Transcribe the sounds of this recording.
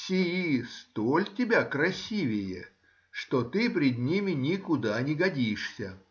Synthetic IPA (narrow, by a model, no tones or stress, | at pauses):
sʲɪjist̪olʲtʲɪbʲakɾɐsʲivʲɪjə̰ | ʂt̪ot̪ɨpʲɾʲɪd̪ʲnʲimʲɪnʲɪkʊd̪anʲɪɡɐdʲiʂsʲə